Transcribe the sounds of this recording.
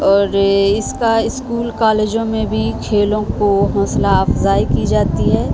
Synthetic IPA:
ɔːɾɪskaɪskuːlkaːleːd͡ʒõmẽbʱikʰeːlõkoɦoːslaɐfzaːikid͡ʒaːt̪iɦɛː

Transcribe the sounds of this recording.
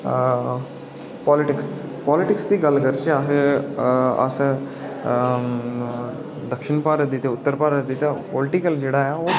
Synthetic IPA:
pɔːlɪʈɪkspɔːlɪʈɪksd̪iːɡɐlɡɐɾt͡ʃeaɦ | ɐ̰s | d̪ɐkʃɪɳpaːɾət̪̚d̪iːt̪eʊt̪ːəɾpaːɾət̪̚d̪iːt̪apolʈɪkəld͡ʒeːɽajao

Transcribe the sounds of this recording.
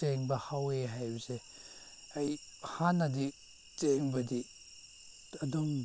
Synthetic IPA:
eŋbɐhaweɦajbɐze | ajhanɐdi | t͡ʃeŋbɐdi | ɐduŋ

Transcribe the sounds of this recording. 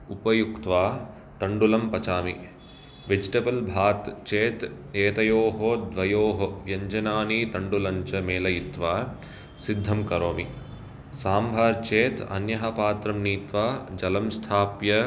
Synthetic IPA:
upɐjukt̪ʋaː | t̪ɐɳɖulɐmpɐt͡ʃaːmi | ʋed͡ʒiʈɐbɐlbʱaːt̪t͡ʃeːt̪ | eːt̪ɐjoːɦoːd̪ʋɐjoːɦoʋjɐɲd͡ʒɐnaːnit̪ɐɳɖulɐɲt͡ʃɐmeːlɐjit̪ʋaː | sid̪ʱːɐmkɐɾoːmi | saːmbʱaːɾt͡ʃeːt̪ɐ̰njɐɦɐpaːt̪ɾɐmniːt̪ʋaːd͡ʒɐlɐmst̪ʰaːpjɐ

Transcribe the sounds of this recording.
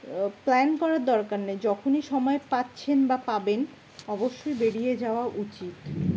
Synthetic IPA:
plɛnkɔɾaɾd̪ɔɾkaɾned͡ʑɔkʰoniʃɔmɔepatːɕʰenbapaben | ɔboʃːojbeɽijed͡ʑaoaʔut͡ɕit̪

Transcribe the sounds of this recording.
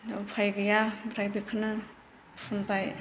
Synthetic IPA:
awpʰajɡɯjabɾajbikʰɯnɯ | pʰunpaj

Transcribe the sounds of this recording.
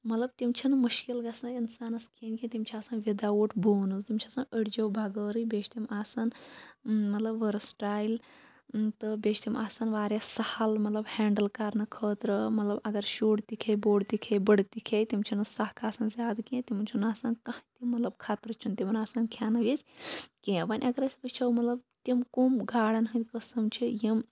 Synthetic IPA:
mɐt̪lɐbt̪imt͡ʃʰinmuʃkilɡɐsɐninsaːnɐskʰiːnkʲẽt̪imt͡ʃʰiaːsaːnʋid̪awuːʈʰboːnɨzt̪imt͡ʃʰiasaːnəɽd͡ʒowbʱaɡəːɾɨjbʲeːt͡ʃʰt̪imaːsɐn | mɐt̪lɐbʋəɾsʈaːjil | t̪ɨbeːt͡ʃʰt̪imʔaːsanʋaːɾʲjasɐhɐlmɐt̪lɐbhɛːɳɖəlkaːɾnɐkʰəːt̪ɾəmɐt̪lɐbɐɡɐɾʃuːɽt̪ikʰeboːɽt̪ikʰebəɽt̪ikʰet̪imt͡ʃʰinɐsakʰaːsɐnzaːd̪kẽt̪imunt͡ʃʰunaːsɐnkɐt̪imɐt̪lɐb̚kʰaːt̪ɾət͡ʃʰunt̪ʲimɐnaːsɐnkʰjaːnɐʋesʲkẽʋɐnʲʔɐɡɐɾɐsbɐt͡ʃʰɐwmɐt̪lɐb̚t̪imkomɡʱaːɽɐnɦɨnʲkəsɐmt͡ʃʰijim

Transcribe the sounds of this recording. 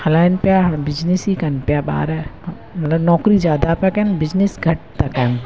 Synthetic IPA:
hɐlanpjabɪd͡ʒnisikɐnpjaba̰ːɾɛ | mɐt̪lɐbnɔːkɾizjaːd̪apɛkɐnbɪd͡ʒnisɡʱɐʈ̚t̪ɐkɛn

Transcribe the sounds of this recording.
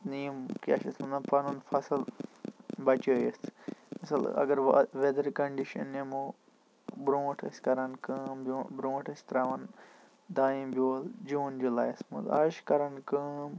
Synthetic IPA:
nimkia̰ʃɐsmɐnɐpɐnunfʰɐsɐl | bɐt͡ʃoːjesmɐsɐlɐ̰ɡɐɾʋed̪ɐɾkɐɳɖiʃɐ̰nːemo | bɾõːʈʰɐ̰sʲkɐɾɐnkəːmbobɾõːʈʰɐsʲt̪ɾaːʋɐn | d̪aːĩmbʲjoːld͡ʒũːnd͡ʒulaːjɐsmṵd̪a̰ʃkɐɾɐnkəːm

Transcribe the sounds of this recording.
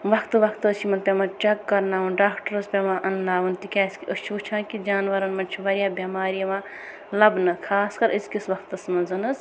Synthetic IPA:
ʋɐkt̪ʋɐkʰt̪ɨt͡ʃʰimɐnpʲemãt͡ʃɐkːɐɾnaːʋɐnɖaːkʈɐɾɐspʲemãʔɐnːaːʋɐnt̪ikʲaːskʲiət͡ʃʰuːt͡ʃʰãːkid͡ʒaːnʋɐɾɐnmɐnt͡ʃʰiʋɐɾʲijaːbʲɐmaːɾijɐmãː | lɐbnɨkʰaːskɐɾʔɨskʲisʋɐkʰt̪ɐsmɐzɐnɨs

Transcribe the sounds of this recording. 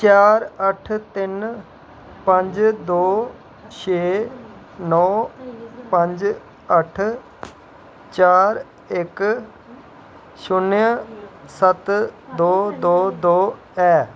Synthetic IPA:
t͡ʃaːɾəʈʰt̪ɪn | pə̃ɲd͡ʒd̪oː | ʃʰeː | nɔː | pə̃ɲd͡ʒ | əʈʰ | t͡ʃaːɾ | ɪk | ʃʊnə̃sət̪d̪oːd̪oːd̪oː | ɛː

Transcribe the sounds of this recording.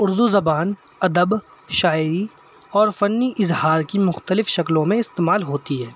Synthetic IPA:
ʊɾd̪uzɐbaːn | ɐd̪əb | ʃaːɪɾi | ɔːɾfɐnːiʔɪzhaːɾkimʊxt̪əlɪfʃɐklõmẽɪst̪eːmaːlɦoːt̪iɦɛː

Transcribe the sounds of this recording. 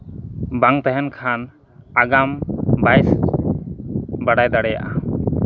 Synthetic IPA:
baŋt̪ɛɦɛnkʰan | aɡambajs | baɽajd̪aɽɛja̰ʔa

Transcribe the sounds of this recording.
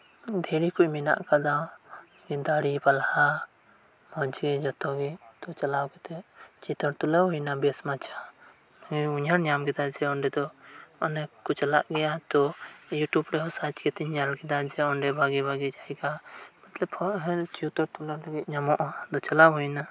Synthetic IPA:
d̪ʱɛɾikuʔmina̰ʔkad̪aw | ɡɛd̪aɽibalha | mɔd͡ʒɡɛd͡ʒɔt̪ɔɡɛ | t̪ɔt͡ʃalawɡɛt̪ɛt͡ʃit̪ɔɾt̪ulɔɦujnabɛsmat͡ʃʰa | ɡɛuɲaɽɲamɡɛd̪ad͡ʒɛɔɳɖɛd̪ɔ | ɔnɛkut͡ʃalaʔɡɛjat̪ɔ | juʈubɾɛɦɔsat͡ʃkɛt̪ɛɲalkɛd̪ad͡ʒɛɔɳɖɛbʱaɡɛbʱaɡɛd͡ʒaɛɡamat̪laphɔʔɦɛ̃t͡ʃut̪ɔɾt̪ulɔlaɡɛt̪̚ɲamɔʔd̪ɔt͡ʃalawɦujna

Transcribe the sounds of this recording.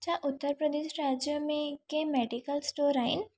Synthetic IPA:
t͡ʃaʔʊt̪ːəɾpɾəd̪eːʃɾaːd͡ʒjomẽkemɛːɖikəlsʈoːɾaːɪn

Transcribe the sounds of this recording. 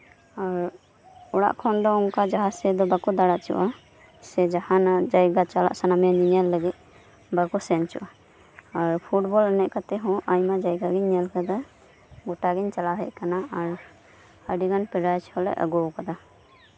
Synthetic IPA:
aɾ | uɽa̰ʔkʰɔnd̪ɔuŋkad͡ʒaɦasɛd̪ɔbakɔd̪aɽaʔt͡ʃṵʔa | sɛd͡ʒahanad͡ʒajɡat͡ʃala̰ʔsanamɛjaɲiɲalːəɡit̪̚ | bakusɛnt͡ʃṵʔaː | ɾpʰuʈbɔlɛnɛʔ̚kat̪ɛɦɔ̃ʔajmad͡ʒajɡaɡɛɲːɛlkad̪ɔ | ɡuʈaɡɛɲt͡ʃalaɦɛ̰ʔ̚kanaaɾ | əɖiɡanpɛɖajt͡ʃʰhɔlɛ̰ʔə̰ɡɔwkad̪a

